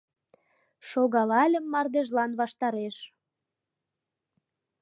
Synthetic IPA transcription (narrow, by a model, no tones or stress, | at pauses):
ʃoɣɑlɑlʲə̆mːɑrd̪eʒlɑnβɑʃt̪ɑɾeʃ